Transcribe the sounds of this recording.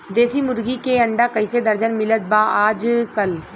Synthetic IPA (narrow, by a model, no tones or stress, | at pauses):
d̪eːsimʊɾɡikeəɳɖakɐɪsed̪əɾd͡ʒənmɪlət̪̚baaːd͡ʒkəl